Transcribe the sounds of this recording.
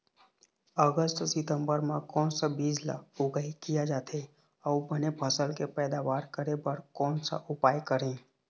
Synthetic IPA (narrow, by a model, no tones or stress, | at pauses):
əɡəsʈsɪt̪əmbəɾmãkɔːnsəbiːd͡ʒla̰ʊɡaikijad͡ʒaːt̪ʰe | əubənebʱəsəlkepɛːd̪aʋaːɾkəɾebəɾkɔːnsa̰ʔʊpaːjkəɾẽ